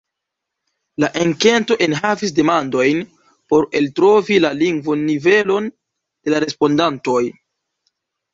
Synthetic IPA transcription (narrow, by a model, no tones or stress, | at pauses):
laʔeŋke̞nto̞ʔe̞nɦavis̬de̞mando̞jn | po̞ɾe̞ltɾo̞vilaliŋɡvonːive̞lo̞n | d̥e̞laɾe̞spo̞ndanto̞j